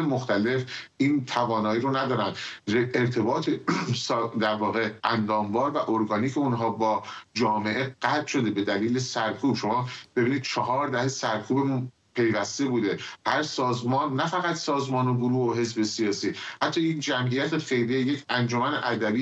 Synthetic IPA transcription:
emoxt̪æle̞fʔiːnt̪ʰævɒːnɒːiːɾonæd̪ɒːɾænd̪eɾt̪ʰe̞bɒːt̪ʰesd̪æɾvɒːɣe̞ʔænd̪ɒːmvɒːɾvæʔoɾɡɒːniːcʰeunɦɒːbɒːd͡ʒɒːme̞ʔe̞ɢæt̪ʰʃo̞d̪e̞be̞d̪æliːle̞sæɾkʰuːb̥ʃo̞mɒːb̥e̞biːniːd̪̥̚t͡ʃʰɒɦɒːɾd̪æhesæɾkʰuːbem | pʰe̞jvæst̪e̞buːd̪e̞hæɾsɒːzmɒːnːæfæɣæt̪sɒːzmɒːnoɡoɾuːoɦe̞zbe̞sijɒːsiːhæt̪ʰːɒːjind͡ʒæmʔijæt̪ʰefe̞jliejecʰænd͡ʒo̞mæneʔæd̪æbiː

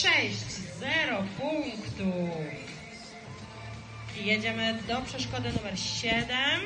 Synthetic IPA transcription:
ɛɕt͡ɕzɛɾɔpuŋkt̪uf | jed͡ʑɛmɘd̪ɔpʂɛʂkɔd̪ɘnumɛɾɕɛd̪ɛm

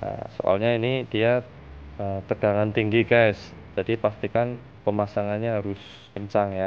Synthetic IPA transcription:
a̰so̰ʔa̰lɲainidia | əmt̪əɡ̥aŋant̪iŋɡiɡajs | d͡ʒadipast̪ikan | pəmasaŋanɲaɦaɾʊs | əɲt͡ʃaŋja

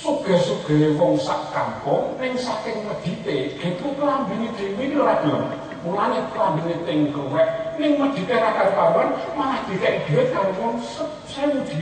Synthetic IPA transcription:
suɡ̥ə̤suɡ̥ə̤ewɔŋsaʔkampʊŋnɪŋsakɪŋməd̪̥i̤t̪eɡit̪uplambined̪̥ewinioɾanɔ | mulanet̪lambinet̪ɪŋkrwɛʔ̚nɪŋməd̪̥i̤t̪eɾakaɾipawanmanahd̪̥i̤k̪aʔid̪̥ewɪt̪̚kaɾiwɔŋsəp̚sɛnd̪̥i

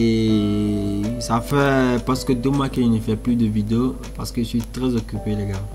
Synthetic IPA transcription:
e | safɛpaʁsə̥kəd̪omãkɛ̃nəfɛplyd̪əvid̪eo | paʁsə̥kəʒəsɥit̪χɛzɔkʲypeleɡa

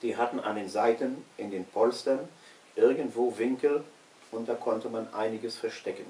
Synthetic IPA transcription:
d̥iːɦatn̩ʔa̰ndeːnzaɪtənʔɪndeːnpʰɔlstɐn | ʔɪɐɡn̩tv̥oːvɪŋkl̩ | ʊnt̚d̥aːkʰɔntəmanʔa̰ɪnɪɡəsfɛɐʃtɛkən̩

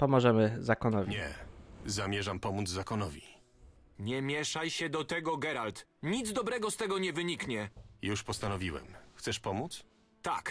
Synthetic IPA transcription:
pɔmɔʐɛmɘzakɔnɔvʲiɲɛ̰zamʲjɛʐampɔmud̪zzakɔnɔvʲḭ | ɲɛmʲjɛʂajɕɛd̪ɔt̪ɛɡɔɡɛɾalt̪ɲid̪zd̪ɔbɾɛɡɔst̪ɛɡɔɲɛvɘɲikɲɛjuʂpɔst̪anɔvʲiwɛ̰mxt̪sɛʂpɔmut̪s | t̪ak

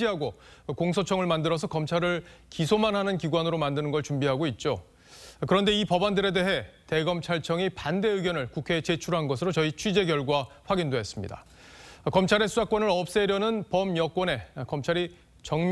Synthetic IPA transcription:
iɦaɡokoŋsʰot͡ɕʰʌŋɯɭmandɯɾʌs̬ʰʌkʌmt͡ɕʰaɾɯɭkisʰomanɦanɯnkiɡwanɯɾomandɯnɯnɡʌɭt͡ɕumbiɦaɡoit̚t͡ɕ͈o | kɯɾʌnde̞ipʌbandɯɾe̞de̞ɦe̞te̞ɡʌmt͡ɕʰaɭt͡ɕʰʌŋipande̞ɯɡjʌnɯɭkukʰe̞t͡ɕe̞t͡ɕʰuɾɦanɡʌsʰɯɾot͡ɕʌit͡ɕʰɥid͡ʑe̞ɡjʌɭɡwaɸwaɡindoɦe̞s͈ɯmɲḭda̰ | kʌmt͡ɕʰaɾe̞sʰuakwʌnɯɾʌp̚s͈eɾjʌnɯnpʌmjʌk͈wʌne̞kʌmt͡ɕʰaɾi | t͡ɕʌŋ

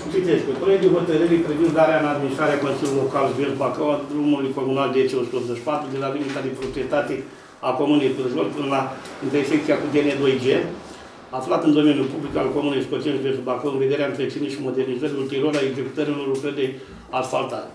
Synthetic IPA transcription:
t͡ʃit̪esket̪oned̪eɦo̞t̪əɾɨɾepɾevind̪aɾeaɨnad̪minist̪ɾaɾeakonsilulokalʒvert̪bakawad̪ɾumulujko̞munald̪et͡ʃeosut̪eopzeʃʲpat̪ɾud̪elalimit̪ad̪epɾo̞pɾijet̪at̪e | ako̞munest̪ɨɾezolpɨnəlaint̪erfekt̪siakud̪ened̪o̞jd͡ʒe | aflat̪ɨnd̪o̞menjulpublikalkomuneskot͡ʃenʒvert̪bakəwɨnved̪eɾeaɨnp̪ɾesiniʃimo̞d̪ernizəɾiult̪iɾoɾaeɡze̞ku̥t̪əɾilo̞rlukɾərd̪e | asfalt̪a̰t̪

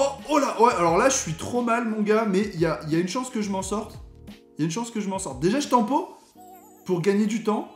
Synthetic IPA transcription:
ɔolawɛalɔʁlaʒəʃɥit̪χomalmɔ̃ɡamɛjailjaynʃɑ̃skəʒəmɑ̃sɔʁt̪ | jaynʃɑ̃skəʒəmɑ̃sɔʁt̪̚d̪eʒaʒət̪ɑ̃po | puʁɡaɲed̪yt̪ɑ̃

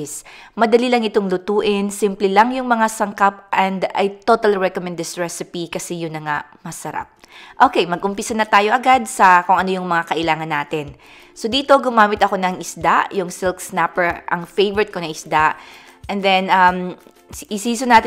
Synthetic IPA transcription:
smɐd̪ɐlilɐŋɪt̪oŋlʊt̪uːʔɪnsimplɛlɐŋjʊŋmɐŋasɐŋkap̚ʔɛnd̪ɐ̰jt̪o̞t̪ɐlɹɛkomɛnd̪ɛsɹɛsɪpikɐsɛjʊŋnɐŋaʔmɐsɐɾa̰p̚ | ʔo̞ːkejmɐɡ̚ʔʊmpɪsɐnɐt̪aːjo̞ʔɐɡad̪̚sɐkʊŋʔɐnojʊŋmɐŋakɐʔɪlaːŋɐnːaːt̪ɪn | sod̪iːt̪o̞ɡʊmaːmɪt̪ʔɐko̞nɐŋʔɪsd̪aʔjʊŋsɪlksnapɛɹʔɐ̰ŋfejvɛɹɛt̪̚ko̞nɐŋʔɪsd̪aʔʔɛnd̪ɛnʔɐm | ʔɪsiːsonaːt̪ɪ

